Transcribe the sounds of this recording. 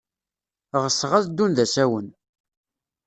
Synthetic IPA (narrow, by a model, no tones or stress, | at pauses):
ʁəsːʁazd̪ːunðæsæwən